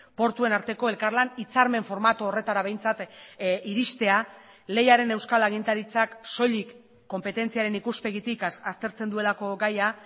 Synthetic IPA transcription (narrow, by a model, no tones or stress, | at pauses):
po̞ɾt̪ue̞naɾt̪e̞ko̞e̞lkaɾlanit͡saɾme̞ɱfo̞ɾmat̪uore̞t̪aɾaβe̞jnt͡sat̪iɾist̪e̞a | le̞jaɾe̞ne̞wskalaɣ̞int̪aɾit͡sakso̞ʎikː | o̞mpe̞t̪e̞nt͡siaɾe̞nikuspe̞ɣit̪ikast̪e̞ɾt͡se̞nd̪ue̞lako̞ɡaja